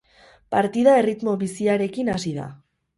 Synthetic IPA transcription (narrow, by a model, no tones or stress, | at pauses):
paɾt̪iðae̞rit̪mo̞βisiaɾe̞kinasiða̰